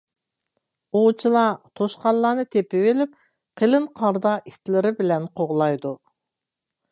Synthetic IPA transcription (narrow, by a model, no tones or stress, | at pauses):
ot͡ʃʰilˠɑt̪ʰoʃqɑllˠːɑːnɨt̪ʰepɪvelɪp̚ | qʰelɪnqʰɑɾd̪ɑʔit̪lɪɾɪbɪlɛnqʰoʁlˠɑjd̪u